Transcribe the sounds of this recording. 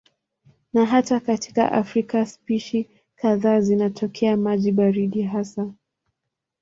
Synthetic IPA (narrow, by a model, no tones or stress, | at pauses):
naɦatakati̥ka̰ʔa̰fɾikaspiʃi | kaðaːzinatʰɔkʰɛamaʄiɓaɾiɗiɦasa